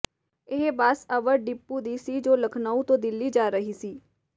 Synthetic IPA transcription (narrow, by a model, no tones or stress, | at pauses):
ɪɦbaːsəʋəɾɖɪpːud̪iːsiːd͡ʒoːləkʰnaːũt̪õːd̪ɪlːiːd͡ʒaːɾəɦiːsiː